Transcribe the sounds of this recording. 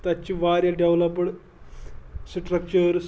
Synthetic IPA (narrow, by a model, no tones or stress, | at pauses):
t̪at͡ɕiːʋaɾjaɖeʋlɔpəɽ | sʈɾək̚t͡ɕəɾs